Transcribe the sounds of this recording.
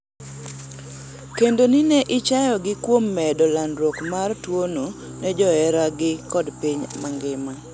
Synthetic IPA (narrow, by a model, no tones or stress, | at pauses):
kendonɪnɛʔɪt͡ʃajɔɡɪkwomːɛdɔlandɾwɔkmartwono | nɛd͡ʒɔɛɾaɡɪkɔdpiɲmaŋɡɪma